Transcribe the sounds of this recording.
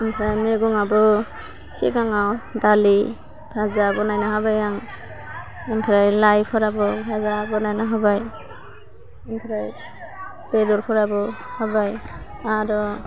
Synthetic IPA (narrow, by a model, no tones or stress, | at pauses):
impʰɾajmeɡɔŋabɔ | sḭɡaŋawdali | pʰazabɔnajnaɦabajaŋ | impʰaɾajlajpʰɔɾabɔpʰazabɔnajnaɦabaj | inpʰɾaj | bedɔɾpʰɔɾabɔhabaj | aɾɔ